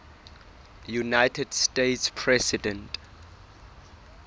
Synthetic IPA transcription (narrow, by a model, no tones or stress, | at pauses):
junajtʰɛdstetspʰɹɛsidɛ̃nt